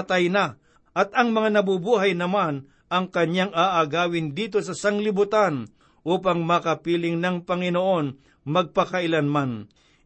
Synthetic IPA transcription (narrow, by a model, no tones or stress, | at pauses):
t̪ɐjna | ʔɐt̪ɐŋmɐŋanɐbʊbuːɦajnɐman | ʔɐŋkɐɲjaŋaːʔaɡaːwɪnd̪iːt̪o̞sɐsaŋlɪbʊt̪an | ʔuːpaŋmakɐpiːlɪŋnɐŋpɐŋɪnoʔo̞n | mɐɡ̚pɐkɐʔɪlanman